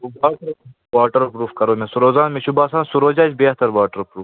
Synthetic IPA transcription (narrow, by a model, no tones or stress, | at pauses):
oaːʈɐɾ | waːʈɐɾpɾuːfkɐɾoːmẽsuɾoːzaːnmẽʃubaːsaːnsuɾoːd͡ʒaːt͡ʃbeːht̪ɐɾʋaːʈəɾpɾuːf